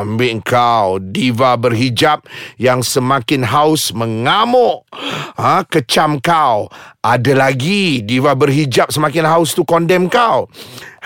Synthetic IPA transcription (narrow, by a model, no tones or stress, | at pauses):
mbɪʔŋ̩kawdivabərɦid͡ʒap̚jaŋsəmãkɪnɦaʊsmə̃ŋamɔʔhə̃kət͡ʃamkawʔadalaɡidivabərɦid͡ʒap̚səmakɪnɦaʊst̪ukɔndɛmkaw